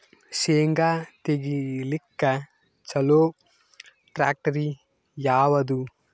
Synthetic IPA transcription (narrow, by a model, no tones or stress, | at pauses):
ʃeːŋɡaːt̪eɡilikːɐ | t͡ʃɐloː | ʈɾa̰ːk̚ʈɐɾi | jaːʋɐd̪u